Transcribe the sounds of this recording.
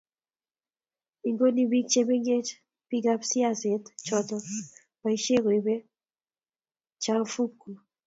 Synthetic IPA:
i˨ŋɡo˦ni˦bi˦k̚t͡ʃe˦be˦ŋɡe˦t͡ʃ | pi˦ɡa˦psi˦a˦se˨tt͡ʃɔ˦tɔ˦ | pa˨i˦ʃe˦ɡo˨i˨be˦ | t͡ʃa˦fu˦kːu˨

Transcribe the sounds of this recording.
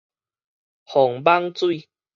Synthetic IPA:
hɔ˨˩ŋba˦ŋt͡swi˥˧˨

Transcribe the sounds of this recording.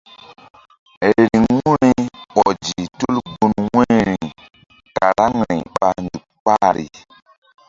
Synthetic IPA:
ɾi˨ŋːu˦ɾi˦ɓɔ˨d͡ʒi˨tu˦lbu˦nwɛ˦ɾi˨ | ka˨ɾa˦ŋ˨ɾĩ˨ɓa˨ndu˨k̚k͡pa˦ɾḭ˨

